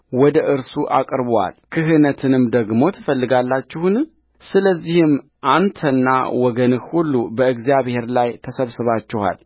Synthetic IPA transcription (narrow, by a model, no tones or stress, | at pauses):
wɔd̪əʔɨɾsuʔa̰kʼɾbwa̰lkʰɨɦɨnət̪ʰɨnɨmd̪əɡmo̞t̪ʰɨfəlːɨɡalːat͡ʃːɪhun | sɨləzːihɨm | ʔant̪ʰənːa̰wɔɡənɨhhulːubəɨɡzijaβhe̞ɾlajt̪ʰəsəβsɨβat͡ʃːɪha̰l